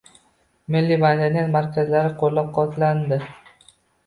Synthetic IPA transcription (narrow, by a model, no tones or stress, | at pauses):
mɪlːibad̪anijat̪maɾkʲazlaɾɪqʰolːap̚qʰɒt̪ʰland̪ɪ